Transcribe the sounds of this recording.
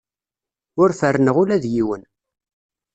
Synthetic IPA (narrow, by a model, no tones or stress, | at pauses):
ʊɾfərːnəʁʊlæðjiwən